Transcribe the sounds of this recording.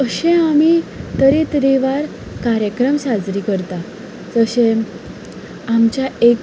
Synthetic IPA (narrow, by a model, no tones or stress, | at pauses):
əɕẽamit̪əɾẽt̪ɾeʋaɾ | kaɾjəkɾəmsad͡zɾiːkəɾt̪a | d͡zəɕẽ | amt͡ɕjaek